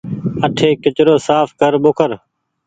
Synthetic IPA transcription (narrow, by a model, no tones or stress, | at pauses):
əʈʰeːkɪt͡ʃɾoːsaːfkəɾɓoːkəɾ